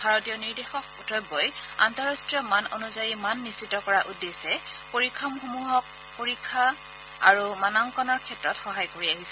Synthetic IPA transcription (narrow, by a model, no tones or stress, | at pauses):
bʱaɹɔtijɔniɹdexɔkɔtʰɔjbːɔja̰ntɔɹastɹijɔmano̰nuzajimanːistːitːɔkɔɹaʔudːesɛpoɹikʰːamxomuɦɔk̚ | poɹikʰːa | aɹumanaŋkɔnɔɹkʰɛtɹɔtxɔɦajkoɹiaɦisɛ